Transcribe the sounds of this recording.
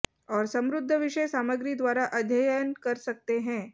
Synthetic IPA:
ɔːɾsəmɾud̪ʱːəʋiʂəjsaməɡɾid̪ʋaɾaʔəd̪ʱjəjjənkəɾsək̚t̪eɦɛ̃

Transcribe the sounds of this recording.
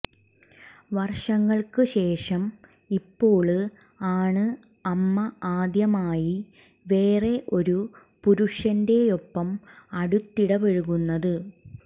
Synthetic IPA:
ʋɐrʂɐŋːɐɭkɨɕe̞ːʂɐm | ipːo̞ːɭɨ | aːɳɨ | ɐmːɐaːd̪jɐmaːji | ʋe̞ːre̞ʔo̞ɾu | puɾuʂɐnde̞jo̞pːɐmɐɽut̪ːiɽɐbeɻuɣunːɐðɨ

